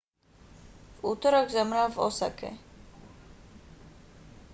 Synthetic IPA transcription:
vut̪ɔɾɔɡzamɾavɔ̰sa̰kɛ̰

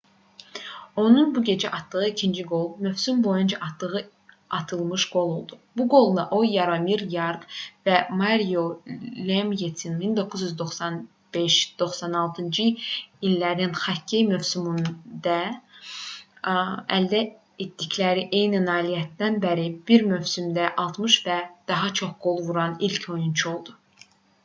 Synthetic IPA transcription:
o̞nunbuɟe̞d͡ʒæʔɑt̪d̪ɯɣɯicʰind͡ʒiɡo̞lˠmøfsymbo̞jund͡ʒɑʔɑt̪d̪ɯɣɯ | ɑt̪ʰɯlˠmɯʃɡ̥o̞lˠolˠd̪ubuɡo̞lˠd̪ˠɑʔojɑɾɑmiɾjɑɾd̪væmɑɾijolʲemjet̪ʰinmind̪o̞kʰːuzjyzd̪o̞χsɑn | b̥eʃd̪̥o̞χsɑnɑlˠt̪ʰɯnd͡ʒɯilːæɾinχɑcʰːejmøvsymund̪ɑ | æld̪æ | et̪d̪iclæɾiʔe̞jninɑːlijæt̪̚d̪ænbæɾib̥iɾmøvsymd̪æʔɑlˠt̪mɯʃvæd̪̥ɑɦɑt͡ʃʰo̞χɡ̥o̞lˠvuɾɑnilcʰo̞junt͡ʃʰuo̞lˠd̪u

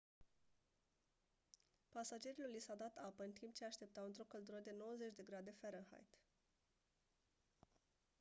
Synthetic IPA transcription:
pasad͡ʒe̞ɾilolisad̪at̪apəɨnt̪ʰimp̚t͡ʃeaʃt̪e̞p̚t̪awɨnt̪ɾo̞kəld̪uɾəd̪e̞no̞wəzet͡ʃʲd̪e̞ɡɾad̪e̞feɾənha̰jt̪

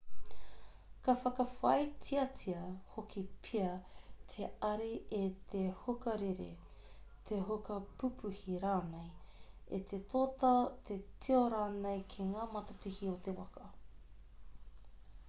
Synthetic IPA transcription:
kɐfɐkɐfɐjtʰiɐtʰiɐhokʰipʰiɐt̪ʰeɐɾiet̪ʰehokɐɾeɾḛ | t̪ʰeɦokɐpupʰuhiɾaːnejet̪ʰet̪ʰoːt̪ɐt̪ʰetʰioɾaːnejkʰeŋaːmɐt̪ɐpihiot̪ewɐkɐ

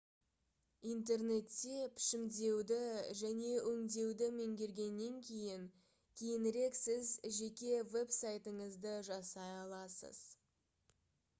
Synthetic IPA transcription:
int̪̬e̞rne̞t̪ːe̞pʰɪ̥ʃɪmd̪e̞wd̪ɪʒæne̞ʔɵŋd̪e̞wd̪ɪmeŋɡʲe̞ɾɡʲe̞nːe̞ŋkʲʰe̞jɪŋ | kʲʰe̞jɪnɾe̞ksɪzʒe̞kʲe̞ve̞psajt̪əɴəzd̪əʒɑsɑjɑlˠɑsə̰z̥

